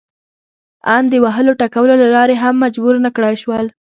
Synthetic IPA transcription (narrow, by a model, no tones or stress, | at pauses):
ɑnd̪əwaɦəloʈakawəlolalɑɾeɦamːad͡ʒbuɾnakɽajʃwəl